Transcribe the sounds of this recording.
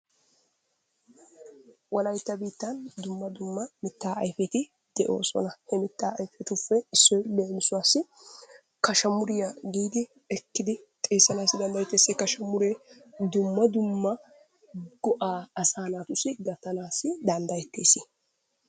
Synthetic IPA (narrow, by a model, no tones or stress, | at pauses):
wɐlɐjt̪ːɐbiːt̪ːɐnd̪ʊmːɐd̪ʊmːɐmɪt̪ːaːʔɐjfɛt̪ɪ | d̪̥ɛʔo̞̰ːsɔ̰nɐhɛmɪt̪ːaːɐjfɛt̪ʊfːɛɪsːɔjbeːnsʊwaːsːɪ | kɐʃɐmʊɾɪjɐɡiːd̪ɪ | ɛkːɪd̪ɪ | t̪ʼe̞ːsːɐnaːsːɪd̪ɐnd̪ɐjɛt̪ːe̞ːsekɐʃɐmʊɾeːd̪ʊmːɐd̪ʊmːɐ | ɡ̥ɔʔaːɐsaːnaːt̪ʊsɪɡɐt̪ːɐnaːsːɪd̪ɐnd̪ɐjɛt̪ːe̞ːsɪ